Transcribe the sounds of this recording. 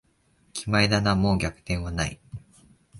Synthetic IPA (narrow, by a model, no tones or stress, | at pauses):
kʲʰimaid̪anamoːɡʲakɯ̟̥t̪ẽ̞ɰ̃βana̰ḭ